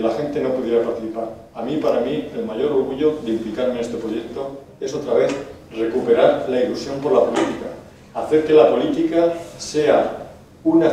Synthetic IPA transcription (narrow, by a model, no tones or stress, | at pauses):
laxe̞nt̪e̞no̞puðje̞ɾapaɾt̪iθipaɾ | amipaɾamie̞lmaʝo̞ɾo̞ɾɣuʝo̞ðeimplikaɾmenest̪e̞pɾoʝe̞k̚t̪o̞ | e̞so̞t̪ɾaβe̞θ | re̞kupe̞ɾaɾlailusjo̞mpo̞ɾlapo̞lit̪ikaː | θe̞ɾke̞lapo̞lit̪ikase̞a | una